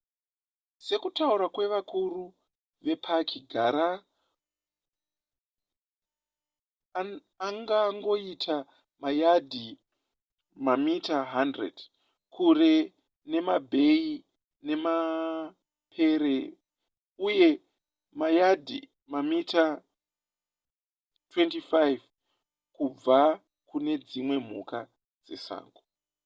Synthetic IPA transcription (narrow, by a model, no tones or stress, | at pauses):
se̞kutauɾakwe̞ʋakuru | ʋe̞pʰakʰiɡʱaɾa | ŋɡaŋɡo̞itʰa | majadʱi | mamitaɦandrḛd̥ | kure̞ | ne̞mabʱe̞i | ne̞ma | pʰe̞ɾe | uje̞ | majadʱḭ | mamita | twe̞ntifajv | kub͡va | kune̞d͡zimwe̞m̤uka | d͡ze̞̰sa̰ːŋɡo